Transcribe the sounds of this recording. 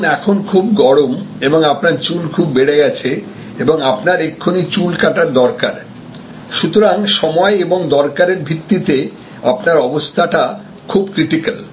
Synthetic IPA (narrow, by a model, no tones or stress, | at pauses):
nɛkʰonkʰubɡɔɽomeboŋapnaɾt͡ɕulkʰubːeɽeɡɛt͡ɕʰe | eboŋapnaɾekʰːonit͡ɕulkaʈaɾd̪ɔɾka̰ɾ | ʃut̪oɾaŋʃɔmɔeeboŋd̪ɔɾkaɾeɾbʱit̪ːit̪e | apnaɾɔbost̪ʰaʈa | kʰubkɾiʈikal